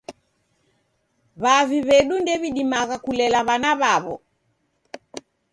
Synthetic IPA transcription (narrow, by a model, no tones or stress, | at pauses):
βaviβɛɗundɛβiɗimaɣakulɛlaβanaβaβɔ̰